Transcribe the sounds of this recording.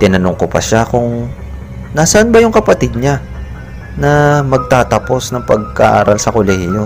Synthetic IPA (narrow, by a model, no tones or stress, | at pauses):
t̪ɪnɐnʊŋkopɐ̰ʃakʊŋ | nasɐʔanbɐjʊŋkɐpɐt̪ɪd̪̚ɲa | nɐmɐɡ̚t̪aːt̪ɐpo̞snɐŋpɐɡ̚kɐʔa̰ːɾɐlsɐkolɛhɪjo